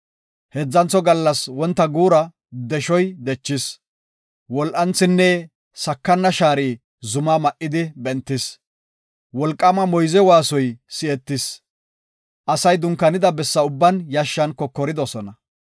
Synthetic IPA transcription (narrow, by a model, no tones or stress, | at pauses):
hɛd͡zːɐnt͡sːɔɡɐlːɐswɔnt̪ːɐɡuːɾɐ | d̪ɛʃɔjd̪ɛt͡ʃːɪs | wɔlʔɐnt͡sːɪnːɛ | sɐkːɐnːɐʃaːɾiː | zʊmamɐʔːɪd̪ɪbɛnt̪ːɪs | wɔlkʼːɐmɐmɔjzɛwaːsɔjsɪɛt̪ːɪs | ʔɐsɐjd̪ʊŋkːɐnɪd̪ɐbɛsːɐʊbːɐnjaʃːɐnkɔkːɔɾɪd̪ɔsɔnɐ